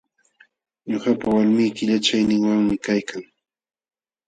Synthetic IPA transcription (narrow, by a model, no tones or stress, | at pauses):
ɲoχapawalmɪjkɪʎat͡ʃajnɪŋwaŋmɪkajkaŋ